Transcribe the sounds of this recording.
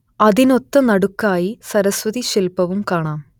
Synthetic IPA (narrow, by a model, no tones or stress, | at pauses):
ɐðino̞t̪ːɐnɐɽukːaːjisɐɾɐsʋɐðiɕilpɐʋumkaːɳaːm